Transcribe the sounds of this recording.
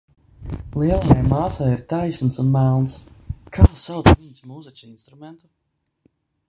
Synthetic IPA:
lˠiɛlˠajajmaːsajiɾt̪ajsnsunmælˠnskʰaːsawt̪minsmuːzɛt͡ʃinst̪ɾumɛnt̪u̥

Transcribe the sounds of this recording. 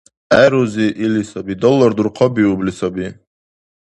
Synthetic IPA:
ɛɾuziʔilisɔbid̪ɔlːɔɾd̪uɾqʰɔbiublisɔbi

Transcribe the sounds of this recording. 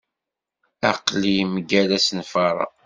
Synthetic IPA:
æqlimɡælæsənfɑɾˤɑ̰

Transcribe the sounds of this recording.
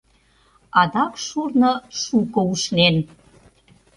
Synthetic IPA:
ɑd̪ɑkʃurnɤʃukɤ̆uʃnen

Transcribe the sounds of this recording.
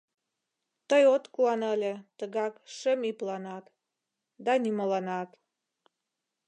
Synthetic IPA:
t̪əjot̪kuɑnəlʲet̪əɣɑkʃəmiplɑnɑt̪ | d̪ɑnymolɑnɑt̪

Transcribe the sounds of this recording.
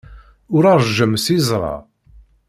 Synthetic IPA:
ʊɾaɾˤʒəmsizˤɾˤɑ̰

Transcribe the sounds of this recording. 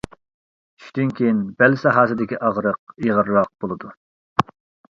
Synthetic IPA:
y̥ʃd̪ynkʲʰejinbɛlsɑɦɑːsɨd̪ɪkʲiʔɑʁɾəq̚iʁəɾːɑq̚bolˠɨd̪u

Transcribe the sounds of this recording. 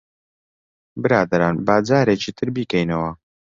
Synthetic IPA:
bɨɾaːd̪ɐɾaːnbaːd͡zaːɾeːt͡ʃiːt̪ʰɨɾbiːkɛjnɐwɐ

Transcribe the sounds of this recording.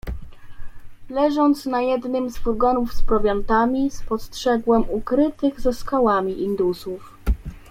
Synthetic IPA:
lɛʐɔnt̪snajɛd̪nɘmzvulɡɔnufspɾɔvʲjɔnt̪amʲispɔstʂɛɡwɛmukɾɘt̪ɘɣzɛskawamʲiʔind̪usuf

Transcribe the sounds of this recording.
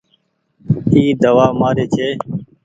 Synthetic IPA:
iːd̪əʋaːmaːɾeːt͡ʃʰeː

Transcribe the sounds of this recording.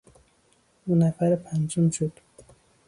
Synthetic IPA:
unæfæɾpʰænd͡ʒumʃod̪

